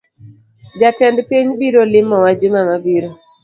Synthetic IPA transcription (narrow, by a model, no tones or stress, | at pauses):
d͡ʒatɛndpiɲbiɾolɪmːɔwad͡ʒɪmamabiɾo